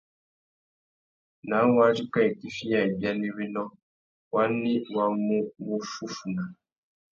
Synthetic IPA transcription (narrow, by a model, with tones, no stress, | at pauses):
nã˨˦wa˦d͡ʒi˦kã˦˨i˨ki˦fi˦ja˨i˨bja˦nĩ˦wi˦nɔ̃˦ | wa˦nːĩ˦wa˦ŋ˦mũ˦wo˦fu˦fu˨na˨